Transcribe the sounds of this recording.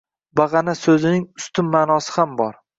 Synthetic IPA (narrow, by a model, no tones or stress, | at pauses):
baʁɑnasɵzɪnɪŋʊst̪ʰʊmːaːnɒsɪ̥hambɒɾ